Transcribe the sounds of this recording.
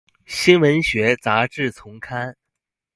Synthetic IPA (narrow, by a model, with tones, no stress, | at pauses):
ɕi˥nwə˧˥nɕɥɛ˧˥t͡sa˧˥ʈ͡ʂɻ̩˥˩t͡sʰʊ˧˥ŋkʰa˥n